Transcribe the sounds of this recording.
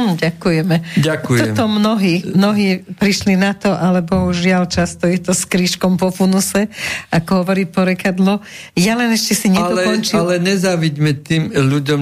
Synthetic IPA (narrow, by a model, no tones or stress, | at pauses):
ɟakujɛmɛɟakuɔt̪ɔmnɔɦiːmnɔɦiːpɾiʃlinat̪ɔʔalɛbɔuʒʒɪalt͡ʃast̪ɔjɛt̪ɔskɾiːʃkɔmpɔfunusɛakɔɦɔʋɔɾiːpɔɾɛkad̪lɔ | jalɛnɛʃcɛsiɲɛlɔɛkɔnt͡ʃialɛɲɛzaʋiɟmɛt̪iːmʎuɟɔm